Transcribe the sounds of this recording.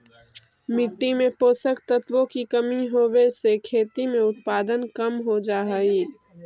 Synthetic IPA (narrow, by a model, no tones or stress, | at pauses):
mɪʈ̪ːimẽpoːsəkt̪ət̪wõkikɐmiɦoːwesekʰeːt̪imẽʊt̪̚paːd̪ənkɐmɦod͡ʒaːɦiː